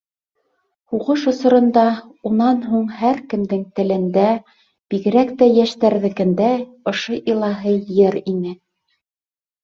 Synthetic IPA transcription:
huʁɤʃŏsŏɾɤ̆nd̪ɑunɑnɦuɴhæɾkɘ̆md̪ɘŋt̪ɘ̆lɘ̆nd̪æ | b̥iɣɘ̆ɾækt̪æjæʃt̪æɾðɘ̆kɘ̆nd̪æ | ŏʃoʔilˠɑɦɤjɘɾinɘ

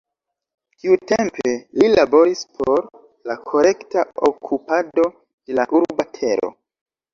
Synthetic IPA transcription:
tiutempe̞lilabo̞ɾispʰo̞ɾ | lakʰo̞ɾe̞ktaokʰupado̞ | d̥e̞laʔuɾbatʰe̞ɾo̰

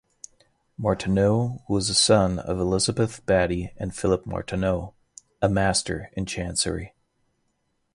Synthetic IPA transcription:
mɔɹtʰɨnoʊhuwʌzəsʌ̃nʌ̰vəlɪzəbɨθb̥æɾiɨ̃nfɪlˠəp̚mɔ̰ɹtʰɨnoʊ | əmæstʰə˞ɨ̃nt͡ʃʰæ̃nsə̰˞ḭ

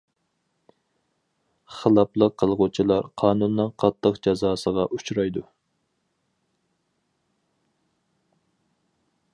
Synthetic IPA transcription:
χəlˠɑplˠəqʰːəlˠʁʊt͡ʃʰilˠɑɾqʰɑːnunːɨnqʰɑt̪ʰːəqd͡ʒɑzɑːsəʁɑʔut͡ʃɾɑjd̪u

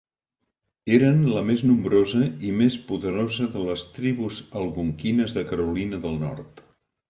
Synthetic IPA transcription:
eɾənləmeznumbɾozəimespuðəɾozəðələst̪ɾiβuzəlˠɣuŋkinəzðəkəɾulinəðəlˠnɔ̰ɾt̪

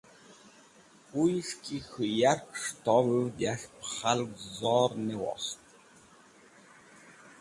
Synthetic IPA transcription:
ujskʰʲixɨjarkʂtʰɔwɨwdaɬpχalɡzɔːrnɛwɔ̰st̪ʰʼ

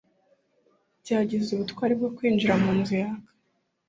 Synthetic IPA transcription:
bɟaːɟizuβutkwaːɾib̚ɡo̞kwiːnd͡ʒiɾamuːnzijakḁ

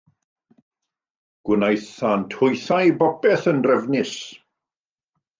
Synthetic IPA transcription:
ɡ̥wɪnajθantʰʊjθajbɔpɛθənrɛvnɪs

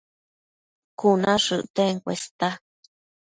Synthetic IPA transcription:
kunãʂɨʔt̪eŋkʷḛst̪a

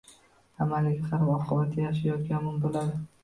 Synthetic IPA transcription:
amalɪɡʲaχaɾbɒqʰɨbat̪ʰːajaʃajɒt̪kʲanmɪnbolad̪ɪ

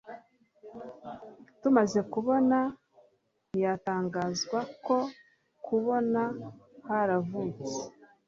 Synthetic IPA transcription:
tumaze̞kuβo̞na | nijataːŋɡaːzɡwako̞ | kʰuβo̞nahaɾavuːt͡se̥

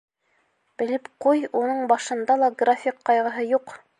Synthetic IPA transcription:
b̥ɘ̆lɘpqujunɤɴbɑʃɤ̆nd̪ɑlˠɑɡrafʲikqːɑjʁɤ̆ɦɤjuq

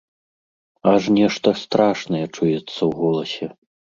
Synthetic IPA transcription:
aʂnʲɛʂt̪ɐst̪ɾaʂnɐjɛt͡ʂujɛt̪sːɐwɣɔlˠɐsʲɛ

